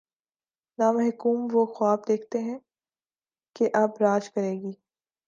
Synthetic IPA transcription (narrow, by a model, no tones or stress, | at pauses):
naːmɐɦɪkuːmʋoxwaːbd̪eːkʰt̪eɦɛ̃ | keʔɐbɾaːd͡ʒkɐɾeːɡiː